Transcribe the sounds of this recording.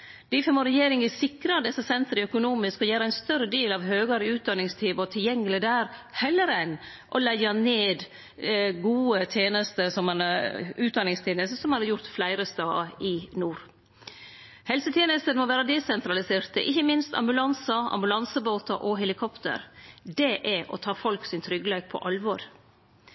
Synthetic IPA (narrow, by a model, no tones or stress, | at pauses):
d̪̥ɪːfɔmoɾɛjeːɾɪŋəsɪkɾɑd̪ɛsːəsɛnt̪ɾəœkʊnuːmɪskɔjæːɾəæɪnst̪œɾəd̪eːlɑʋɦøːɡɑɾəʉːt̪̚d̪ɑnːɪŋst̪ʰiːʋɔt̪ʰɪljɛŋːəlɪd̪æːɾhɛlːəɾɛn | ʔɔlæɪɑneːd̪ | ɡuːət̪ʰjeːnəst̪əsɔmɑnʉːt̪̚d̪ɑnɪŋst̪ʰeːnəst̪əsɔmhɑnɑɾjʊɾt̪flæɪɾəst̪ɑːɪnuːɾ | hɛlsət̪ʰjeːnəst̪ənmɔʋæːɾəd̪ɛsɛnt̪ɾɑlɪseːɾt̪ə̰ʔɪçːəmɪnst̪ɑ̰mbʉlɑnsɑɑ̰mbʉlɑnsəboːt̪ɑʔɔɦɛlɪkʰɔpt̪ə̰ɾd̪ɛʔɛʔɔ̰t̪ʰɑːfɔlksɪnt̪ʰɾʏɡːəleːk̚pʰɔ̰ʔɑlʋɔɾ